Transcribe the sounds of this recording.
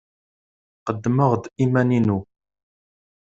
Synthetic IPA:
qəd̪ːməʁd̪imæninu

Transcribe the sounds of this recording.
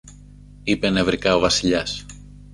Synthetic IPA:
ipenevɾikɐovɐsiʎɐs

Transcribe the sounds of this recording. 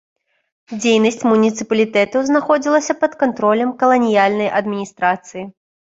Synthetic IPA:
d͡zʲejnɐsʲt͡sʲmunʲit̪sɨpɐlʲit̪ɛt̪ɐwznaxɔd͡zʲilˠɐsʲɐpɐt̪kant̪ɾɔlʲɐmkɐlˠɐnʲijalʲnɐjʔɐd̪mʲinʲist̪ɾat̪sɨji

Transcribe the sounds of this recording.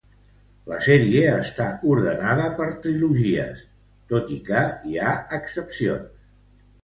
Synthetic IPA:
ləsɛɾieəst̪auɾðənaðəpəɾt̪ɾiluʒiə̰s | t̪ot̪ikəiaəksəpsio̰ns

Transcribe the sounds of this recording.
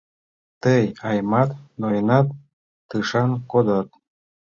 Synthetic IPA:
t̪əjɑjmɑt̪nojnɑt̪ː | ɯʃɑnkod̪ot̪̚

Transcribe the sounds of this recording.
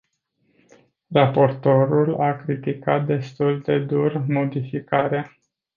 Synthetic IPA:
rapo̞rt̪o̞ɾulakɾit̪ikat̪̚d̪e̞st̪uld̪e̞d̪urmo̞d̪ifikaɾea

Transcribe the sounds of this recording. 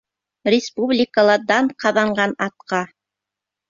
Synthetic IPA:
rʲɪspublʲɪkəlˠɑd̪ɑɴqɑðɑɴɢɑnɑt̪̚qɑ

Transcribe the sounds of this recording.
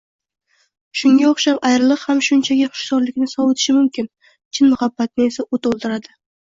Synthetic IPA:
ʃʊŋɡʲaoχʃapajɾɪlˠɨqhamʃʊnt͡ʃʰaɡʲɪχʊ̥ʃsɒɾlɪkʲnɪsɒwet̪ʰɪ̥ʃɪmʊmkʲʰɪn | t͡ʃʰɪnmʊhabːat̪̚nɪe̞saʔot̪olˠt̪ʰɪɾad̪ɪ

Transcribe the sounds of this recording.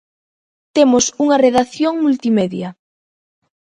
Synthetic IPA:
t̪emʊsuŋɐreðaθjoŋmult̪imeðjɐ

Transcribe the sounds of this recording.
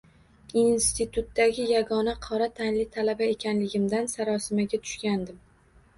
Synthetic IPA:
inst̪ɪt̪ʰʊt̪ːaɡʲɪjaɡɒnaqʰɒɾat̪ʰanlɪt̪ʰalabae̞kʲʰanlɪɡʲɪmd̪ansaɾɒsɪmaɡʲat̪ʰʊ̥ʃkʲand̪ɪm

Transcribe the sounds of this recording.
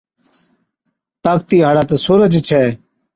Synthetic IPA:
t̪aːkt̪iːɦaːɽaːt̪eːsuːɾəd͡ʒt͡ʃʰɛː

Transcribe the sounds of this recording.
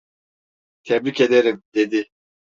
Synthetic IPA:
t̪ʰebɾice̞d̪eɾimd̪̥e̞d̪i

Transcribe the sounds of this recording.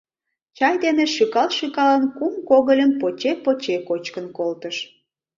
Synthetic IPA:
t͡ɕɑjd̪eneʃykɑlʃykɑlənkumkoɣəlʲəmpot͡ɕepot͡ɕekot͡ɕkənkolt̪əʃ

